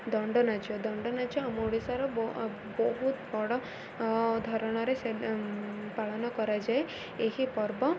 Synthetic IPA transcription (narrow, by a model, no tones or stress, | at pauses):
d̪ɔɳɖɔnad͡ʒɔd̪ɔɳɖɔnad͡ʒɔamoɽisaɾɔbɔ | bɔɦut̪bɔɽɔ | d̪ʱɔɾɔɽ̃ɔɾese | paɭɔnɔkɔɾad͡ʒae | eɦipɔɾbɔ